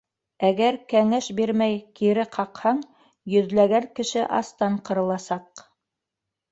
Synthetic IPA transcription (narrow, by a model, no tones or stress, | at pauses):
æɡæɾkæŋæʃbiɾmæjkiɾɘqʰɑqhɑɴ | jɵ̆ðlæɡæŋkɘ̆ʃɘʔɑ̰st̪ɑɴqɤ̆ɾɤ̆lˠɑsɑq